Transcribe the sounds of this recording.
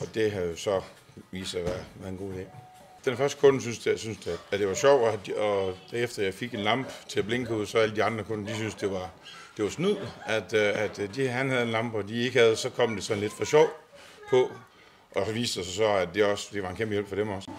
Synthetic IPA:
ɒ̽d̥e̝ɦæjo̝sɒ̽ | ʋḭːsɑʋæɐʋæɐðˠenɡo̝̰ːd̥ḛː | d̥enfɶɐsd̥ə̥kʰɔ̽nsynsd̥jsynsd̥eæd̥e̝ʋɑ̈ɕɒʊ̰æ̥ɒd̥æɐefd̥ɐjɑ̈ɪfe̝ɡ̥e̝nlɑ̈m̰b̥t͡sʰe̝læb̥leŋɡ̥əuð̰ˠsɒ̽æləd̥iɑ̈nd̥ʁɐkʰɔ̽nəd̥isynsd̥e̝ʋɑ̈ | d̥e̝ʋɑ̈snuð̰ˠæd̥æd̥d̥ihænhæðˠenlɑ̈m̰b̥ɒd̥ie̝ɡ̥hæð̞̩ˠsɒ̽kʰɒ̽m̰d̥e̝sɒ̽n̩le̝d̥fɒ̽ɕɒʊ̰pʰɒ̽ | ʔɒʋḭːsd̥əsɒsɒ̽æd̥e̝ɒ̽sd̥e̝ʋɑ̈enkʰemb̥əjel̰b̥fɒ̽ɾ̥emɒ̽s

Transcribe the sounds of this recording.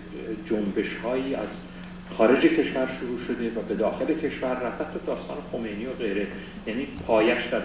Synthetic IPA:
d͡ʒombe̞ʃhɒːjiːæz | xɒːɾe̞d͡ʒe̞cʰe̞ʃvæɾʃuɾuːʃo̞d̪evæbe̞d̪ɒːxe̞le̞cʰe̞ʃvæɾːæt̪æt̪ʰːod̪ɒːst̪ɒ̰ːnexo̞me̞jniːoɣe̞jɾe | jæniːpʰɒːjæʃd̪æɾ

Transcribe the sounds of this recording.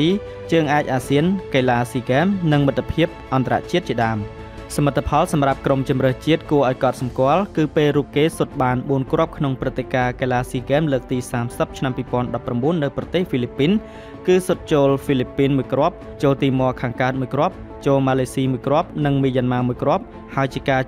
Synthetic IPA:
iː | t͡ɕəːŋʔaɛc̚ʔaːsiənkeːlaːsiːɡɛːmnɨŋmɨt̪ːpʰiəp̚ʔɑnt̪ara̰ʔt͡ɕiət̪̚t͡ɕiəɗaəm | sɑmət̪ʰːapʰɑlsɑmrap̚kromt͡ɕumrəːht͡ɕiət̪̚kuəʔaɔjkɑt̪̚sɑmkŏəlkɨːpeːlruːp̚keːsot̪̚ɓaːnɓuənkrŏəp̚kʰnoŋprɨt̪ʰːekaːkelaːsiːɡɛːmləːk̚t̪iːsaːmsəp̚t͡ɕʰnampiːpŏənɗɑpːramɓuənːɨwprɑt̪eːhfilipːiːn | kɨːsot̪̚t͡ɕoːlfilipːiːnmuəjkrŏəp̚ | t͡ɕoːlt̪iːmŏəkʰaːŋkaət̪̚muəjkrŏəp̚ | t͡ɕoːlmaːleːsiːmuəjkrŏəp̚nɨŋmiːjanmaːmuəjkrŏəp̚ | haəjt͡ɕiəkaː

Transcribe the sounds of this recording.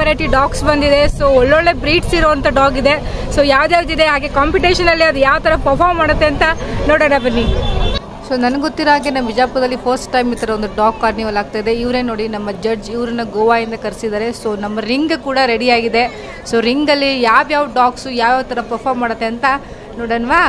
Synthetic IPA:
ɐɾeːʈiɖaːksbɐnd̪id̪e̞soːɔɭːoɭːe̞bɾiːʈsiɾoːɐnt̪ɐɖaːɡid̪e̞soːjaːʋd̪ejaːʋd̪id̪eɦaːɡe̞kaːmpiʈeːʃɐnɐlːiɐd̪ujaːʋt̪ʰɐɾɐpɐɾpʰaːɾmːaːɽɐt̪ːeɐnt̪ɐnoːɽɐnɐbɐnːiu | soːnɐnɐɡɡot̪ːiɾoɦaːɡenɐmʋid͡ʒaːpːɐd̪ɐlːipoːsʈʈɐjmit̪ʰɐɾɐo̞nd̪uɖaːɡkaːɾniʋɐlaːɡ̚t̪aːjd̪e̞iʋɾeːnoːɽinɐmːɐd͡ʒɐd͡ʒiʋɾɐnːɐɡoːʋaːind̪ɐkɐɾsid̪aːɾe̞soːnɐmːɐɾiŋɡkuːɽɐɾeɽiaːɡid̪e̞ | soːɾiŋɡɐlːijaːʋjaːʋuɖaːksujaːʋjaːʋt̪ʰɐɾɐpɐɾpʰaːɾmːaːɽɐt̪ːe̞ɐnt̪ɐ | noːɽɐːɳʋaː

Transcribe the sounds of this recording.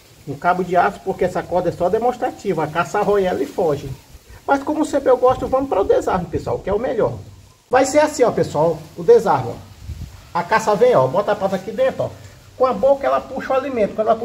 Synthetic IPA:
nʊ̃kabʊd͡ʒɪasʊ̥poɾkeɛsɐkɔhd̪ɐɛsɔd̪emõʃt̪ɾat͡ʃivɐakasaɦojɛlifɔʒɪmɐskõmʊʊsẽmpɾɪewɡɔʃt̪ʊvɐ̃mʊpɾɐʊd̪ezahmɐpesua̰wkɪɛʊmeʎɔɾ | vajseɛasĩɔpesuawʊd̪ezaɾmɐ̰̃ | ɐkasɐvẽj̃ɔbɔt̪ɐɐpat̪akid̪ẽt̪ʊɔ̰ | kõɐbokɐɛlɐpuʃɐwalimẽnt̪ʊ̥kɐ̃d̪ɛlp

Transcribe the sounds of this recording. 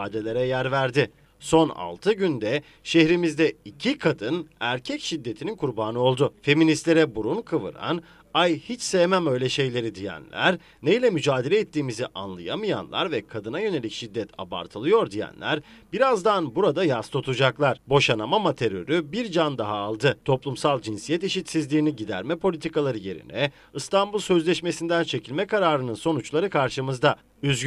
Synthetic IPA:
aːd̪e̞lʲe̞ɾɛjæɾvæɾd̪ɪ | so̞na̰lˠt̪ʰɯɟynd̪ɛ | ʃehɾimizd̪ɛicʰikʰad̪ɯnæɾcʰɛcʃid̪ːe̞t̪ʰininkʰuɾbaːnɯo̞lˠd̪ʊfe̞minist̪lʲe̞ɾɛbuɾunkʰɯvɯ̰ɾa̰n | ajhit͡ʃsemæmø̞jlʲɛʃe̞jlʲe̞ɾid̪ijæ̰nlʲæ̰ɾ | nejlʲɛmyd͡ʒaːd̪e̞lʲɛːt̪ʰːiːmiziʔa̰nlˠɯ̰jamɯja̰nlˠa̰ɾvɛkʰad̪ɯnajø̞ne̞lʲicʃid̪ːɛt̪ʰa̰ba̰ɾt̪ʰɯlˠɯjo̞ɾd̪ijæ̰nlʲæ̰ɾbiɾazd̪anbuɾad̪ajast̪ʰo̞t̪ʰud͡ʒaklˠaɾ̥bo̞ʃanamamat̪ʰe̞ɾø̞̰ɾybiɾd͡ʒand̪aɦaːlˠd̪ɯt̪ʰo̞plˠumsalˠd͡ʒinsijɛt̪iʃit̪sizlʲiːniɟid̪æ̰ɾmɛpʰo̞lʲit̪ʰikalˠaɾɯje̞ɾḭnɛ | ɯst̪ambulˠsø̞zlʲɛʃme̞sind̪ænt͡ʃʰe̞cʰilʲmɛkaɾaːɾɯnɯnso̞nut͡ʃlˠaɾɯkʰaɾʃɯmɯzd̪a | yzɡ

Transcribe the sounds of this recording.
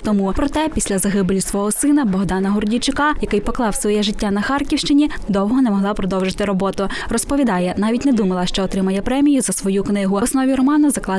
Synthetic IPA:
t̪ɔmupɾɔt̪ɛpʲisʲlʲɐzɐɦɪblʲusʋɔɦɔsɪnɐbɔɦd̪ɑnɐɦʊrdʲit͡ʃɪkɑjɐkɪjpɔklˠɑwsʋɔjɛʒɪtʲːanɐxɑrkʲiwʃt͡ʃɪnʲid̪ɔwɔɦɔnɛmɔɦlˠɑpɾɔd̪ɔwʒɪt̪ɪɾɔbɔt̪ʊrɔspɔʋʲid̪ɑjɛnɑʋʲitʲnɛd̪umɐlˠɐʃt͡ʃɔːt̪ɾɪmɐjɛpɾɛmʲijʊzɐsʋɔjuknɪɦʊɔsnɔʋʲiɾɔmɑnɐzɐklˠɑ

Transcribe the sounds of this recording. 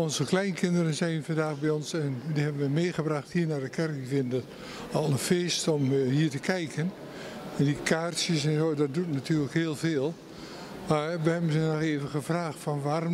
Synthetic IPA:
ɔnzəklɛjnkɪndərənsɛjnfɑndaːxbɛjɔnsɛndihɛbənʋəmeːχəbraxthiːɹnaɹdəkɛrk̚divɪndət | ɔlˠənfeːstɔmhiːəɹtəkʰɛjkən | ɛndikʰarsjəsɛnzoːdɔt̚dutnatʰyːləkheːlˠveːlˠ | maːɹʋəhɛbənzənɔxeːvəɣəfraːxtfɔnʋaːr

